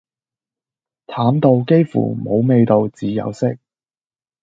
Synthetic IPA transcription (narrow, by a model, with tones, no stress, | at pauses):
t̪ʰaː˨˥mt̪o˧wke˥jfṵː˨˩mo˨˧˥wme˧jt̪o˧wt͡siː˨˥jɐ̰˨˧wsɪ˥k̚